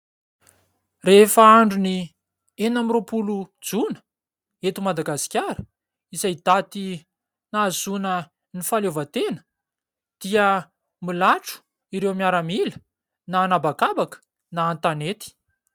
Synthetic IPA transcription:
refaaɳɖ͡ʐuni | enamiɾopulud͡zunə̥ | et̪umad̪aɡasi̥kʲaɾə | izajd̪̥at̪i | nazunə | nifalovət̪enə̥ | d̪̥iə | milaʈ͡ʂu̥ | iɾewmiaɾəmilə | naːnabakabakə̥ | naːnt̪anet̪i̥

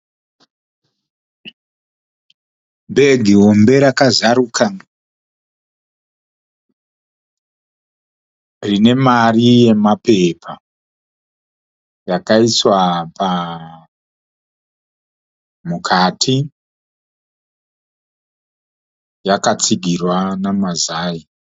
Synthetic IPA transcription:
be̞ɡʱiɦo̞mbe̞ɾakazaɾukʰa | rine̞marije̞mape̞pʰa | jakaiswapa | mukʰatʰi | jakat͡siɡʱirwanamazaːji

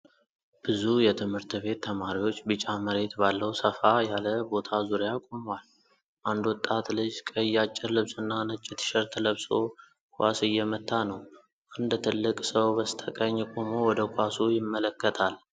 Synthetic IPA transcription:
b̥ɨzujɛt̪ʰɨmhɨɾt̪βe̞t̪ʰːəmaɾiwo̞t͡ʃːbɨt͡ʃʼaməɾe̞t̪balːəwsəfajaləbo̞t̪ʰazuɾjakʼumwal | ʔand̪wɔt̪ʼːat̪lɨd͡ʒkʼəjːat͡ʃʼːɪɾlɨβsɨnːanɨt͡ʃʼːɪt̪ʰʃɛɾt̪ʰələβso̞ | kʰʼʷa̰sɨjːɛmət̪ʰːanəw | ʔɨnd̪t̪ʰɨlːɨkʼsəwbəst̪ʰəkʼəɲːkʼomowɔd̪əkʷʼasujɪmːələkːət̪ʰal

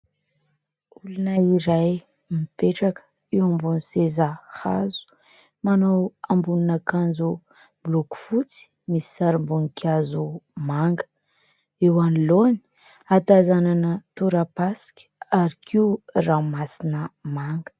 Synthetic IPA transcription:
ulunəiɾaj | mipeʈ͡ʂakə̥ | ewambunisezaha̰zu̥ | manawambununəkand͡zu | bluku̥fut͡si̥ | misi̥saɾimbunikʰʲazumaŋɡə̥ | ewanloni̥ | at̪azananət̪uɾapasi̥kʲə̥aɾikʰiuramasinəmaŋɡə̥

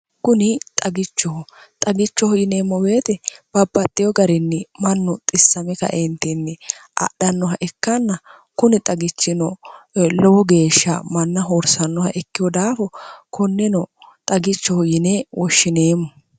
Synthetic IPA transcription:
kʊnɪt̪ʼɐɡɪt͡ʃːɔhʊt̪ʼɐɡɪt͡ʃːɔhʊjɪne̞ːmːɔweːt̪ɛb̥ɐbːɐt̪ʼːɪjɔɡɐɾɪnːɪmɐnːʊt̪ʼɪsːɐmɛkɐ̰ʔent̪ɛnːɪʔɐ̰ɗɐnːɔɦɐʔɛkːɐnːɐ | kʊnɪt̪ʼɐɡɪt͡ʃːɪnɔlɔwɔɡe̞ːʃːɐ̰mɐnːɐɦoːɾsɐnːɔhɐʔɛkːɪjɔd̪aːfɔkʰɔnːɛnɔt̪ʼɐɡɪt͡ʃːɔhɔjɪneːwɔʃːɪne̞ːmːɔ

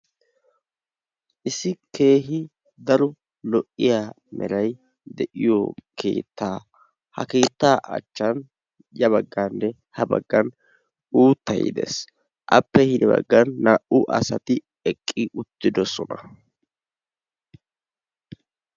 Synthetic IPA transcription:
ʔɪsɪkʰe̞ːɦɪ | d̪ɐɾʊ | lɔʔɪjaː | mɛ̰lɐj | d̪ɛʔɪjoke̞̰ːt̪ːaː | hɐ̰ke̞ːt̪ːaːʔɐ̰t͡ʃːɐn | jɐβɐɡːanːɛ | hɐbɐ̰ɡːɐn | uːt̪ːɐ̰jɪ̰d̪ḛs | ʔɐ̰pːɛhɪd̪ɛbɐ̰ɡːɐnːaːʔʊʔɐ̰sɐt̪ɪ | ɛkʼːɪʔʊt̪ːɪd̪ɔsɔnɐ

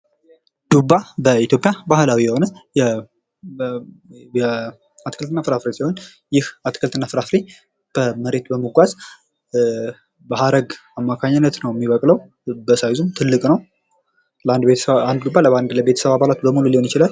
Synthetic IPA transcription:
d̪̥ubːabəit̪ʰjo̞pʼjabahɨlawijɛho̞nəjɛ | ɛ | at̪kʰəlt̪ʰɨnːafɨɾafɾesiho̞n | jɪhat̪kʰəlt̪ʰɨnːafɨɾafɾi | b̥əməɾe̞t̪bəməɡʷaz | bəhaɾəɡamːakʰaɲːɪnːət̪nəwjɛmːiβəkʼləw | bəsajzumt̪ʰɨlːɨkʼnəw | ad̪eand̪ɡubːaləβand̪ləbe̞t̪ʰə̥səβaβalat̪bəmululiho̞njɪt͡ʃɪlal

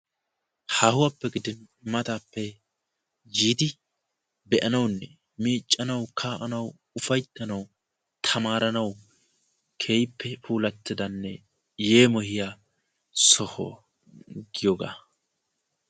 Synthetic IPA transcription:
hɐhʊwɐpːɛɡɪd̪ɪn | mɐt̪aːpːɛ | d͡ʒiːt̪ɪ | bɛʔɐnɐwnːɛ | miːt͡ʃʼːɐnɐwkʰaːʔɐnɐw | ʊfɐjt̪ːɐnɐw | t̪ʰɐmaːɾɐnɐw | kʰe̞ːjpːɛfuːlɐt̪ːɪd̪ɐnːɛ | je̞ːmɔhɪja | sɔhɔ̰ | ɡɪjɔɡa̰ː

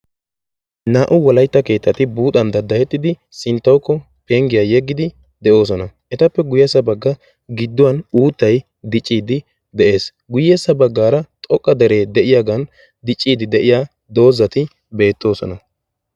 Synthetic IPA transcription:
naːʔʊwɔlɐjt̪ːɐke̞ːt̪ːɐt̪ɪbuːt̪ɐnd̪ɐd̪ːɐjɛt̪ːɪd̪ɪ | sɪnt̪ːɐwkːɔ | pe̞ːŋɡɪjaːjɛɡːɪd̪ɪ | d̪ɛʔo̞ːs̬ɔnɐʔɛt̪ɐpːɛɡʊjɛsɐbɐɡːɐ | ɡɪd̪ːʊwɐnuːt̪ːɐj | d̪ɪt͡ʃʼːiːd̪ɪ | d̪ɛʔe̞ːs | ɡʊjɛsːɐbɐɡːaːɾɐt̪ʼɔkʼːɐd̪ɛɾe̞ːd̪ɛʔɪjaːɡɐn | d̪ɪt͡ʃʼːiːd̪ɪd̪ɛʔɪjaː | d̪o̞ːzɐt̪ɪ | be̞ːt̪ːo̞ːsɔ̰nɐ

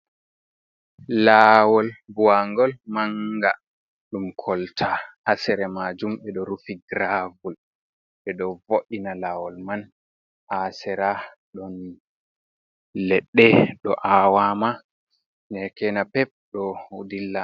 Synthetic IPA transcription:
lawɔlbuaŋɡɔlmaŋɡa | ɗumkʰɔltʰaʔːsɛɾɛmad͡ʒumɓɛɗɔɾufiɡɾavul | ɓɛɗɔvoʔinalawɔlman | ʔasɛɾa | ɗɔn | lɛɗːɛɗɔ̰ʔawama | nɛkɛnapɛp̚ɗɔudilːa

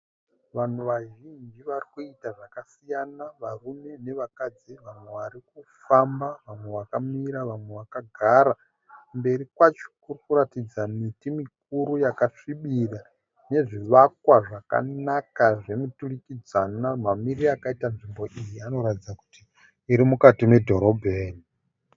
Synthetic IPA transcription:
ʋan̤uʋaʒind͡ʒiʋarikuitaʐakasijanaʋarume̞ne̞ʋakad͡ziʋamwe̞ʋaɾikufambaʋamwe̞ʋakamiɾaʋamwe̞ʋakaɡʱaɾa | mbe̞ɾikwat͡ʃo̥kurikuɾatid͡zamitimik̚uɾujakaʂiɓira | ne̞ʐiʋak̚waʐaka̰nakaʐe̞muturikid͡zanamamiriakaitanʐimbo̞ʔijiano̞ɾatid͡zaku̥tiː | ɾimukatime̞dʱo̞ɾo̞bʱeːni

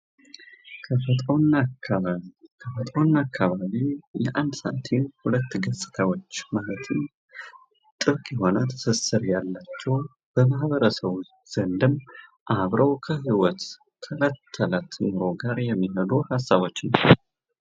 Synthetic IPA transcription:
kʰəfət̪ʼn | kʰəfət̪ʼwnːakʰːaβaβijɛʔand̪sə̰ʔat̪ʰenhulət̪ːɡəsʼɨ̥t̪ʰawo̞t͡ʃːmalət̪ʰɨn | t̪ʼɨβkʼiho̞nət̪ʰə̥sɨsɨɾjalːat͡ʃːɛw | b̥əmaɦβəɾəsəβ | z̥ənd̪ɨm | ʔaβɾəwkʰəɦiwɔt̪ | kʰːələt̪ʰːəlat̪ʰmɨɾo̞ɡaɾjɛmːiɦəd̪uhasːaβo̞t͡ʃːnəw

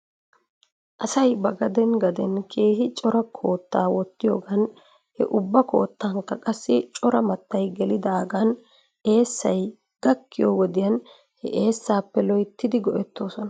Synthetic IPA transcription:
ʔɐsɐjbɐɡɐd̪ɛnɡɐd̪ɛnkʰe̞ːhɪt͡ʃʼɔɾɐkʰo̞ːt̪ːaːwɔt̪ːɪjoːɡɐn | hɛ̰ʔʊbːɐko̞ːt̪ːaːŋkːɐkʼɐsːɪt͡ʃʼɔɾɐmɐt̪ːɐjɡɛlɪd̪aːɡan | e̞ːsːɐj | ɡ̥ɐkːɪjoːwɔd̪ɪjɐn | hɛ̰ʔe̞ːsːaːpːɛlɔjt̪ːɪd̪ɪɡɔʔɛt̪ːo̞ːsɔnɐ

